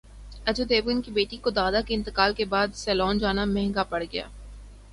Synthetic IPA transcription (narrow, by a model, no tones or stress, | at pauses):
ɐd͡ʒod̪eːbɡɪnkibeːʈikod̪aːd̪akeɪ̃nt̪ɪkaːlkebaːd̪sɛːlɔːnd͡ʒaːnamɛɦŋɡapɐɽɡɐja̰ː